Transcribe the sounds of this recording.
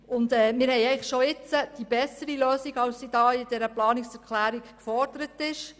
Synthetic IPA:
ʊnd̪ɛːmɪɾhɛjɛɪχʃoɪt͡səd̥ibɛsəɾiløːsiɡɑwssid̥ɑːɪdɛɾəplɑːniksɛɾkʰlæːɾiɡkfɔrd̥əɾətɪʃ

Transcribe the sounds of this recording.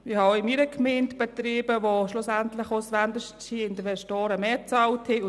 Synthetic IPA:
ɪhɑɪmiɾəkʰmeːntb̥ɛt̪ɾiːbəʋoʃlʊsæntlɪxosʋændəʃsiɪntəʋɛʃtɔːɾəmeːt͡sɑlthɪ

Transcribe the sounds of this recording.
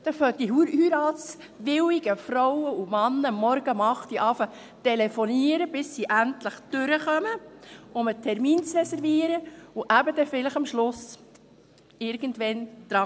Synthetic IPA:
d̥ɛføtiɦuːɾyːɾɑːt͡s | ʋɪwiɡəfɾɔwəumɑnːəmɔɾɡ̥əmɑχt̪iʔɑːfə | tɛlefɔniəɾəbɪsːiːʔæntləχd̪̥ʉɾəχœməʊmətʰɛɾmiːnt͡srɛsɛɾviəɾəuʔæbəd̥̪ɛfɪləχɑmʃlʊs | ɪɾɡ̥əntʋɛnd̥ɾɑ

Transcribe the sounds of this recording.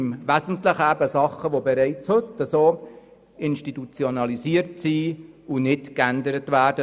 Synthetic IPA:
mʋæzən̩tləχæbəsɑχːəʋobeɾɛɪt͡shɵtːəsoː | ɪnʃtitut͡sjonɑliziːəɾtsiːʊnɪtkændəɾətʋæːɾdə

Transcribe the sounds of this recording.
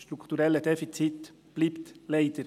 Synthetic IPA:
ʃtɾukʰt̪uɾɛləd̥ɛfit͡sit | b̥liːptleɪd̥əɾ

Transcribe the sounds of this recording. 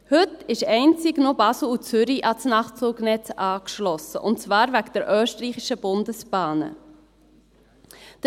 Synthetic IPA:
hɵtɪʃɛɪnt͡sɪɡnobɑsl̩ˠut͡sʏɾiʔɑsnɑχt͡suːɡnɛt͡sʔɑːkʃlɔsə̰ʔʊntt͡svɑːɾvæɡd̥ɛɾʔœːʃtəriːχiʃəb̥ʊndəsb̥ɑːnə̰ | d̥

